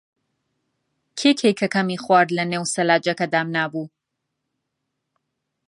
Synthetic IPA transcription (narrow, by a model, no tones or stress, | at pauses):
kʰekʰejkʰɐkɐmiχwaːɾd̪lɐneːwsɐlaːd͡ʒɐkɐd̪aːmnaːbu